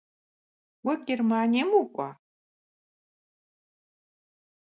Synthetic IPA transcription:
wɐɡʲermaːnʲiɐmukʷʼa

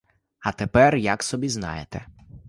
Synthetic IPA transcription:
ɐt̪epɛrjɐksɔbʲiznɑ̰jet̪ɛ

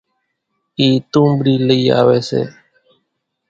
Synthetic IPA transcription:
it̪ũmbɾileja̰βesḛ

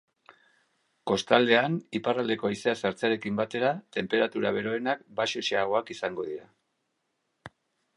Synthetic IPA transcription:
ko̞st̪ald̪e̞aniparald̪e̞ko̞aiseasaɾt͡seaɾe̞kimbat̪e̞ɾat̪e̞mpe̞ɾat̪uɾaβ̞e̞ɾo̞enakbaʃeʃeaɣ̞o̞akisaŋɡo̞ðiɾa

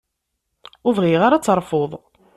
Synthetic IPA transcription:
ʊvʁiʁaɾat͡sːɾˤfoðˤ

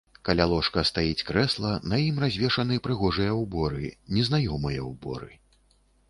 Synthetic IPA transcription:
kalʲalˠɔʂkɐst̪ajit͡sʲkɾɛslˠɐnɐjimrazʲvʲɛʂɐnɨpɾɨɣɔʐɨjɐwbɔɾɨnʲɛznajɔmɨjɐwbɔ̰ɾɨ̰

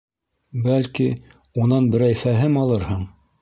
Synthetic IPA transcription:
bælki | unɑnbɘ̆ɾæjfæɦɘmɑlˠɤɾhɤɴ

